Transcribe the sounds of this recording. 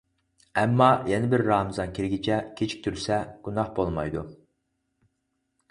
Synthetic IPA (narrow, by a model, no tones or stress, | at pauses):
ɛmːɑjɛnɪbɪɾːɑːmɨzɑnkʲʰiɾɡʲit͡ʃʰɛkʲʰet͡ʃʰi̥k̚ʲt̪ʰyɾsɛɡ̥unɑhbolˠmɑjd̪u